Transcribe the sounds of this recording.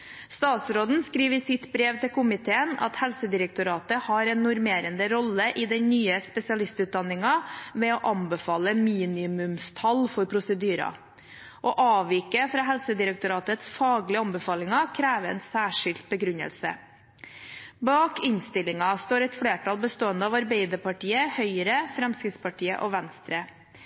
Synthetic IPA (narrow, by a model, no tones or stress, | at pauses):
st̪ɑːt̪sɾoːd̪n̩skɾiːʋəsɪt̪bɾeːʋt̪ʰɪlkʊmɪt̪ʰeːənɑ̰t̪hɛlsəd̪ɪɾək̚t̪ʊɾɑːt̪əhɑɾɛnːʊɾmeːɾənd̪əɾɔlːəʔɪd̪ɛnnːyːəspɛsɪɑlɪst̪ʉːt̪̚d̪ɑnːɪŋɑʋɛɔʔɑnbəfɑːləmiːnɪmʉmst̪ʰɑlfɔɾpʰɾʊsəd̪yːɾɑ̰ | ʔoʔɑːʋiːkəfɾɑːɦɛlsəd̪ɪɾək̚t̪ʊɾɑːt̪ət̪sfɑːɡlɪɑmbəfɑːlɪŋɑkʰɾæːʋəɛ̰ːnsæːʂɪlt̪̚bəɡɾʉɲə̰lsə̰ | bɑːkɪnst̪ɪlɪŋɑst̪oːɾɛt̪fɽeːʈʰɑlbəst̪oːənd̪əɑʋɑɾbeɪd̪əɾpʰɑʈiːəhœʏɾəfɾɛmskɾɪt̪spɑʈʰiːə̰ʔoʋænst̪ɾə